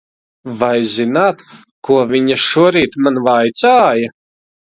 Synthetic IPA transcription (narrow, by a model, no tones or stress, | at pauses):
vajzinaːt̪ | kuɔviɲaʃuɔɾiːt̪manvajt̪saːja